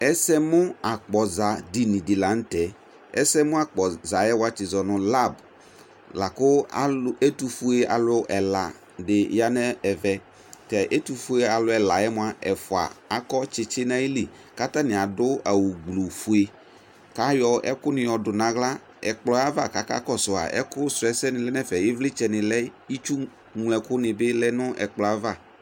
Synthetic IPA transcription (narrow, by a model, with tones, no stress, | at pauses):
ɛ˦sɛ˦mʊ˦a˨k͡pɔ˨za˨di˨nĩ˨dɪ˨la˨˦n̩˦tɛ˨ | ɛ̰˦sɛ˦mʊ̃˦a˨k͡pɔ˨za˨jɛ˦wa˦t͡ʃɪ˨zɔ˨nʊ˨la˦˨b | la˨kʊ˦a˨le˦tu˨fu˦e˦a̰˨lʊ˦ʔɛ˨la̰˨ | dɪ˨ja˦nɛ˦ɛ˨vɛ˨ | tɛ˨ʔe˦tu˨fu˦e˨a˨lʊ˦ɛ˨la˨jɛ˦mʊ˦a˨ɛ˨fʊ˨a̰˨a˨kɔ˦t͡ʃɪ˨t͡ʃɪ˦nã˦ji˦li˨ | ka˦t̪a˦nɪ̃˨a˨dʊ˦a˨wu˨ɡ͡blu˨fu˨e˨ | ka˨˦jɔ˨ʔɛ̰˦kʊ˦nɪ̃˨jɔ˨dʊ˨nã˨ɣla˦ | ɛ̰˨k͡plɔ˦a˦va˦˨ka˨ka̰˦kɔ˦sʊ˨a̰˨ɛ̰˦kʊ˦sʊ˨ɛ˦sɛ˦nɪ̃˨lɛ˦nɛ˦fɛ˨jɛ˦vlɪ˦t͡ʃɛ˦nɪ̃˨lɛ˦i˦t͡ʃu˦ | ŋlɛ˨kʊ˦nɪ̃˨bɪ˦lɛ˦nʊ̃˦ʔɛ̰˨k͡plɔ˨a˦va˦˨